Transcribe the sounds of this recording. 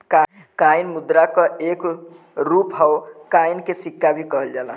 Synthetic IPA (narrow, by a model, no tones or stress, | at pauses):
ka | kajnmud̪ɾakəek | ɾupɦaokajnkesikːabʱikəɦəld͡ʒalə̰